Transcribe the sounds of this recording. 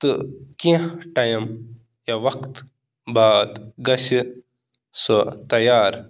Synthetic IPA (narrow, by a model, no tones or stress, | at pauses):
t̪ɨkĩʈɐjɐm | jɐʋɐkt̪ | baːd̪ɡɐʃi | sot̪ɐjaːɾ